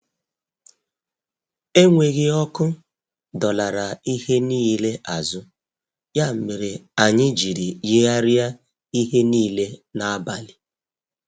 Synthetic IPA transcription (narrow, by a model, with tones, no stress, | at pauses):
e˦ŋʷe˨ɣɪ˦ɔ˦kʊ˦ | dɔ˨la˨ɾa˨i˦he˦niː˦le˦ʔa˨zʊ˦ | ja˦m̩˨me˨ɾe˨a˨ɲɪ˦d͡ʒi˨ɾi˨je˦a˦ɾɪ˦a˦ | i˦ɦe˦niː˦le˦na˨a˦ba˨lɪ˨